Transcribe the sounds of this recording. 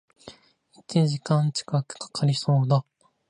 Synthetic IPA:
it͡ɕid͡ʑikãɲt͡ɕi̥kakɯ̟̥kḁkʰaɾʲiso̞ːd̪a

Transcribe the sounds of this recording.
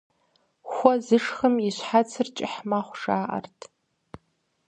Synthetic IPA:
xʷɐzɨʂxəmiɕʷħat͡sʰɨrt͡ʃʼɪħmaχʷʂaːʔɐ̰rtʰ

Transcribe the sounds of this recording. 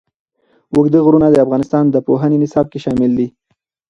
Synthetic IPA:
wʊɡd̪əɣɾunad̪əafɣɑnɪst̪ɑnd̪əpoɦənenɪsɑb̚keʃɑmɪld̪i

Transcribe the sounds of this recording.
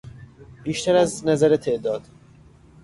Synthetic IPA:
b̥iːʃt̪ʰæɾæznæzæɾet̪ʰe̞ʔd̪ɒːd̪̥

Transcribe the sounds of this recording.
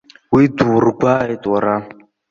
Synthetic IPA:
widuɾɡʷaetʼaɾa

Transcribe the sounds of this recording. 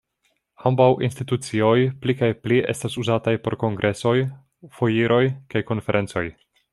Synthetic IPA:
hambawʔinstitut͡sio̞jplikajpliʔe̞̰stasuzatajpo̞̰ɾko̞ŋɡɾʔe̞so̞j | fo̞jiɾʔo̞jkajko̞nfe̞ɾʔe̞nt͡so̞j

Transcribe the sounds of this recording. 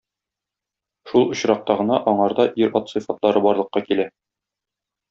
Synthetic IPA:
ʃulˠŏɕɾɑq̚t̪ɑʁɤ̆nɑʔɒɴɑɾd̪ɑʔiɾɒt̪sɤfɑt̪lˠɑɾɤbɒɾlˠɤ̆qːɑkilæ

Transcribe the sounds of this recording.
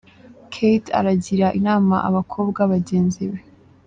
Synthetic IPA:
kʰejta̰ɾaɟiɾaʔinaːma̰ʔa̰βakʰo̞ːbɡaβaɟe̞ːnziβe

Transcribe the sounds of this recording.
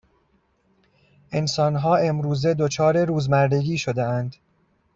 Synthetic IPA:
ʔe̞nsɒːnɦɒːe̞mɾuːze̞d̪ot͡ʃʰɒːɾe̞ɾuːzmæɾd̪e̞ɡiːʃod̪eænd̪

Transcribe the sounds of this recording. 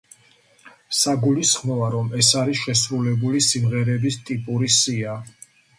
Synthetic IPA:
saɡulisχmɔaɾɔmɛsaɾisʃɛsvɾulɛbulisimʁɛɾɛbist̪ʼipʼuɾisia

